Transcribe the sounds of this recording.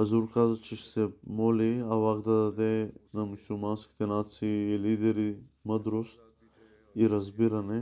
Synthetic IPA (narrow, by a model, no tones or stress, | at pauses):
azuɾkazɐt͡ʃɛʃsɛmɔliavakd̪ɐd̪ad̪ɛnamusulˠmanskʲi̥t̪ɛnat̪siːlid̪ɛɾiməd̪ɾost̪̚ | iɾɐzbiɾɐnɛ